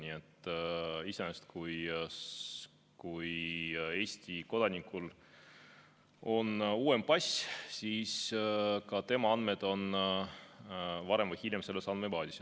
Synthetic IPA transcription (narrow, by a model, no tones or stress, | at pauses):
nʲiet̪ˑː | isenest̪kuj | kuje̞ːsʲt̪iko̞d̪̥ɑnikul | o̞nuːe̞mpɑsʲsiːskɑt̪e̞mɑɑnd̪me̞d̪̥o̞n | vɑɾe̞mvɨjhiljemse̞lːesɑnmepɑːd̪ʲis